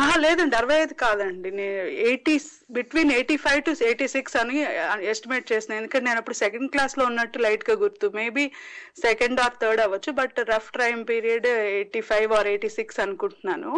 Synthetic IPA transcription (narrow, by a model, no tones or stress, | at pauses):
ɦaːleːd̪ɐɳɖɐɾʋɐjd̪ikaːd̪ɐɳɖineːnueːʈiː | biʈʋiːneːʈiːpʰɐjʋʈueːʈiːsiksɐniɐesʈimeːʈ̚t͡ʃeːsind̪end̪ukɐɳʈ̬ːeneːnɐpːuɽusɛkɐɳɖ̚klaːslo̞ːunːɐʈːulɐjʈɡaːɡuɾt̪ume̞ːbiːsekeɳɖaːɾt̪ʰəːɾɖɐʋɐt͡ʃːubɐʈɾɐpʰʈɾɐjmpiːɾijɐɖeːʈiːpʰɐjʋaːɾeːʈiːsiksɐnukuɳʈunːaːnu